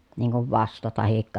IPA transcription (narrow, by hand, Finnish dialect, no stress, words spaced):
niːŋ kuʋ ʋɑstɑ tɑhikːɑ